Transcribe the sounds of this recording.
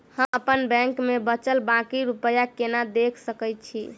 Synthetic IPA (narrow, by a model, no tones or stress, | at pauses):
həməpənbɛ̃ŋkmebət͡ʃəlbãkiɾupəjakenad̪ekʰsəkəjt̪t͡ʃʰi